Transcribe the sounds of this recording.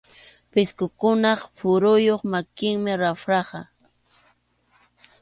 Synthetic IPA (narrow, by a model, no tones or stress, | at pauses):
pɪskʊkʊnɑχpʊɾʊjoχmakɪŋmɪɾawɾɑχɑ